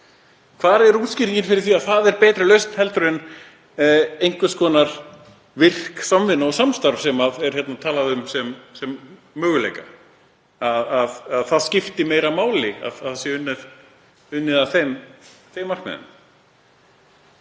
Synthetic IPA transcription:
kʰvaːɾɛɾuːscɪɾcɪnfɪɾɪ̥ɾθiaðθaðɛɾpɛːt̪ɾɪlœɥst̪nhɛlt̪ʏɾɪn | ejŋkvʏskɔːnaɾ̥ | vɪr̥ksamvɪnːaɔsamst̪aɾv̥sɛmaðɛɾ̥çjɛt̪nat̪ʰaːlaðʏmsɛmsɛmː | œːɣʏlḛjka | aðaðaðθaðscɪft̪ɪmeːjɾamaːwlɪa̰ðaðsjɛʏnːɛð | ʏnːɪðaθejmθejmːḁkmɛ̰ðʏ̰m

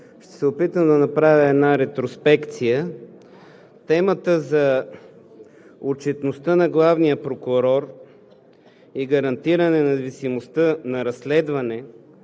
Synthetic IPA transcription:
ʃt̪ɛ̥sɛopit̪əmd̪ɐnɐpɾavʲəɛd̪naɾɛt̪ɾospɛkt̪sijə | t̪ɛmət̪əzɐ | ot͡ʃɛt̪nost̪ənɐɡlˠavnijəpɾokʊɾɔɾ | iɡɐɾɐnt̪iɾɐnɛnɐvisimost̪ənɐɾɐslɛd̪vɐnɛ

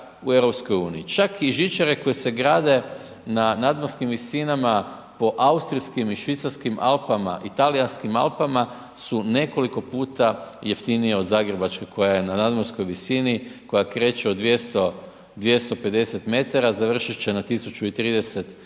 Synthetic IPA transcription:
uevɾo̞psko̞juːnijit͡ʃakiʒit͡ʃaɾe̞ko̞jese̞ɡɾaːd̪e̞ | nanad̪moɾskimʋisinama | po̞ʔaust̪ɾiskimiʃʋit̪saɾskimʔa̰lpama̰ʔit̪alianskima̰lpama | sune̞ko̞liko̞puːt̪ajeft̪inijeo̞d̪zaɡɾebat͡ʃkekʰo̞jajenanad̪moɾsko̞jʋisiniko̞jakɾe̞ːt͡ʃeod̪ʋje̞st̪o | d̪ʋje̞st̪o̞pe̞d̪e̞se̞t̪me̞t̪aɾazaʋr̩ʃit͡ʃenat̪isut͡ʃuit̪ɾiːd̪e̞se̞t̪

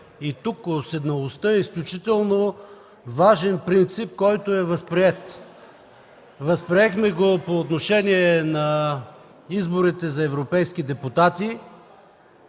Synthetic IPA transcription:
it̪ukosɛd̪nɐlˠost̪əɛisklʲut͡ʃit̪ɛlˠno | vaʒɛnpɾint̪sip̚kɔjt̪oɛvɐspɾiɛt̪ | vəspɾiɛxmɛɡopoːt̪noʃɛniɛnɐ | izboɾit̪ɛzɐɛvɾopɛjskid̪ɛpʊt̪at̪i

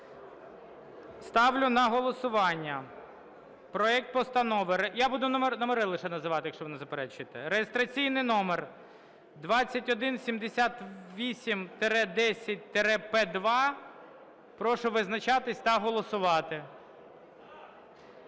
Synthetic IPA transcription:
st̪ɑwlʲʊnɐɦɔlˠɔsʊʋɑnʲːɐ | pɾɔɛk̚t̪̚pɔst̪ɐnɔʋɪɾɪjabud̪ʊnmnɔmeɾɪlˠɪʃɛnɐzɪʋɑt̪ɪjɐkʃt͡ʃɔʋɔnɪzɐpeɾɛt͡ʃʊjt̪ɛɾejest̪ɾɐt͡sʲijnɪjnɔmer | d̪ʋɑt͡sʲːɐtʲɔd̪ɪnsʲimd̪esʲat̪ʋʲisʲimt̪eɾɛd̪ɛsʲɐt̚ʲt̪eɾɛpɛd̪ʋɑ | pɾɔʃʊʋɪznɐt͡ʃɑt̪ɪsʲt̪ɐɦɔlˠɔsʊʋɑt̪ɪ

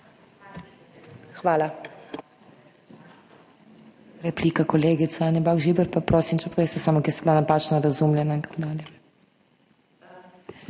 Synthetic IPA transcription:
xʋaːla | ɾɛpliːkakɔleːɡit̪sɛanjɛbaːxʒibɛɾpapɾoːsimt͡ʃɛpoʋeːst̪ɛsaːmɔkʲjɛɾsɛblanapaːt͡ʃnaɾazumljɛnaint̪ḁkoːd̪aːljɛ

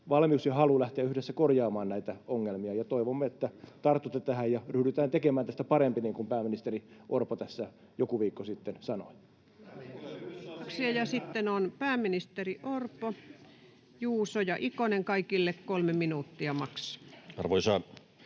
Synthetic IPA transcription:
ʋɑlmiusjɑhɑlulæht̪eæyhdesːækorjɑːmɑːnnæit̪æoŋːelmiɑjɑt̪oiʋomːeet̪ːæt̪ɑrt̪ːut̪ːet̪æhæjjɑryhdyt̪æːnt̪ekemæːnt̪æst̪æpɑɾempiniːŋkumpæːminist̪eriʔorpot̪æsːæ | jokuʋiːkːosit̪ːensɑnoi | ksiɑjɑsit̪ːenonpæːminist̪eriʔorpo | juːsojɑʔikoneŋkɑikilːekkolmeminuːˑt̪ːiɑmɑksɑ̥ɑrʋoisɑː

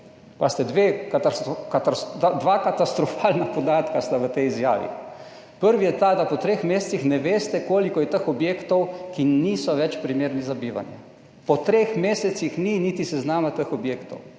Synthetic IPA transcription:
past̪ɛd̪ʋeːkt̪akat̪ad̪ʋakat̪ast̪ɾɔfaːlnapɔd̪aːt̪kast̪aʋət̪ɛjizja̰ːʋḭ | pəɾʋijɛt̪ad̪apɔt̪ɾeːxmeːssixnɛʋeːst̪ɛkoːlikɔjɛt̪əxɔbjeːkt̪ɔwkiniːsɔʋɛt͡ʃpɾimeːɾnizabiːʋa̰njɛ̰ | pɔt̪ɾexmeːsɛt̪sixniniːt̪isɛznaːmat̪əxɔbjeːkt̪ɔw

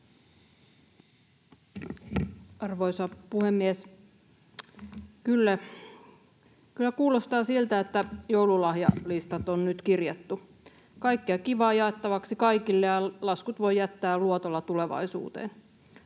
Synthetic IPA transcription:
ɑrʋoisɑpuhemːies | kylːæ | kylːækuːlost̪ɑːsilt̪æet̪ːæjoululɑhjɑ̰list̪ɑt̪onnyt̪kirjet̪ːu | kɑikːiɑkiʋɑːjɑet̪ːɑʋɑksikɑikilːejɑlɑskut̪ʋo̞jjæt̪ːæːluot̪olːɑt̪uleʋɑ̰isṵːt̪ḛːn

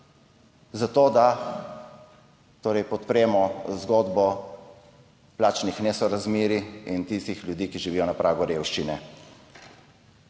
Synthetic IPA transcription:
zat̪oːd̪a | t̪oːɾɛjpɔt̪pɾɛːmɔzɡoːd̪bɔ | plaːt͡ʃnixnesɔɾazmeːɾiint̪ist̪ixljud̪iːkiʒiʋijɔnapɾʔaːɡɔɾewʃt͡ʃinɛ

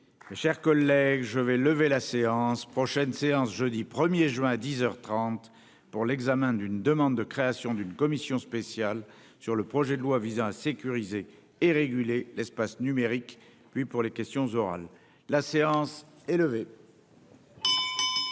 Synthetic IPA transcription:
meʃɛʁkɔlːɛɡʒəvɛləvelaseɑ̃spχɔʃɛnseɑ̃sʒød̪ipχəmjeʒɥɛ̃ad̪izœʁt̪χɑ̃t̪ | puʁlɛɡzamɛ̃d̪ynd̪əmɑ̃d̪d̪əkχeasjɔ̃d̪ynkɔmisjɔ̃spesjal | syʁləpχɔʒɛd̪əlwavizɑ̃asekʲyʁizeː | ʁeɡʲylelɛspasnymeʁik | pɥipuʁlekʲɛst̪jɔ̃zɔʁa̰lː | aseɑ̃s | eləve

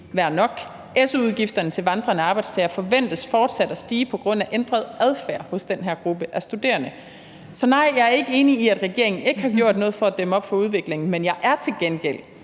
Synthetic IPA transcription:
ʋæɐ̰nɒ̽ɡ̥ | ʔesuuðˠɡ̥ifd̥ɐnət͡sʰe̝lʋɑ̈nd̥ʁɐnəɑ̈ːb̥ɑ̈ɪdst͡sʰɛːɐfɒ̽ʋen̰d̥əsfɒːd̥sæd̥æsd̥iːpʰɒ̽ɡ̥ʁɔ̽n̰æʔend̥ʁɐð̞ˠæð̞ˠfæɐ̰hɔ̽sd̥enɦæɐ̰ɡ̥ʁub̥əʔæɐsd̥ud̥e̝̰ːɐnə | sɒ̽nɑ̈ɪ̰jɑ̈ɪæɐe̝ɡ̥əe̝ːniiæd̥ʁɛɡ̥e̝ɐ̰eŋn̩e̝ɡ̥əhɑ̈ɡ̥jo̝ɐ̰d̥nɔ̽ːð̩ˠfɒ̽æd̥eməɒ̽b̥fɒ̽uð̞ˠʋe̝ɡ̥le̝ŋn̩menjɑ̈ɪʔæɐt͡sʰe̝lɡ̥enɡ̥el̰

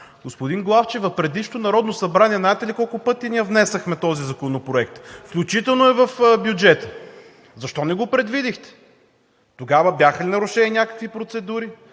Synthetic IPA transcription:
ɡospʊd̪iŋɡlˠaft͡ʃɛvɐfpɾɛd̪iʃt̪onɐɾɔd̪nosɐbɾanʲiɛnaɛt̪ɛlikɔlˠkʊpɤt̪iniɛvnɛsəxmɛt̪ɔzizɐkonopɾoɛk̚t̪fklʲut͡ʃit̪ɛlˠnoɛvɐfbjud͡ʒɛt̪ə̥ | zɐʃt̪ɔnɛɡopɾɛd̪vid̪ixt̪ɛ̥ | t̪oɡavəbʲjaxɐlinɐɾuʃɛninʲakə̥kvipɾot̪sɛd̪uɾi

